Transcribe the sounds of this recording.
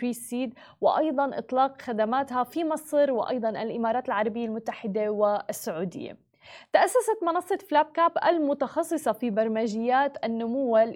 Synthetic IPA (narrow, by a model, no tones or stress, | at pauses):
ɾiːsiːd̪ | wɪʔɑjd̪ˤɑnʔɨ̰t̪ˤlɑːqxad̪amaːt̪hafimɑsˤɾwɪ̰ʔɑ̰jd̪ˤɑnʔalʔɪmɑːɾˤɑːt̪alʕɑɾˤɑbɪjːalmʊt̪ːaħɪd̪awɪsːʊʕuːd̪ɪ̰jːa̰ | t̪aʔasːasat̪mɑnɑsˤːɑt̪flaːb̚kaːbʔa̰lmʊt̪ɑxɑsˤːɨsˤɑfibɑɾˤmaʒɪjːaːt̪ʔanːʊmʊwːal